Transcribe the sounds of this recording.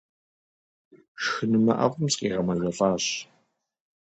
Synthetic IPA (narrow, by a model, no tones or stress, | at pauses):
ʃxɨnɨmɐ̰ʔɐ̰ʁʷʊmsqiːʁɐmɐzɐfɑːɕ